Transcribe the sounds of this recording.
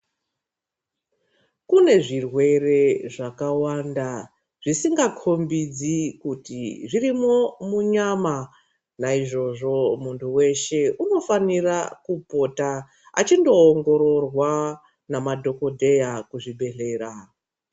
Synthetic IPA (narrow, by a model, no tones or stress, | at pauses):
kune̞ʐirwe̞re̞ʐakawanda | ʐ̥isiŋɡakʰo̞mbid͡zikutḭʐirimomuɲama | naiʐo̞ʐo̞muntʰuwe̞ʃe̞uno̞fanirakupo̞ta | a̰t͡ʃindo̞ːŋɡo̞ɾo̞rwa | namadʱo̞ko̞dʱe̞jakuʐiɓe̞ɬe̞ːɾa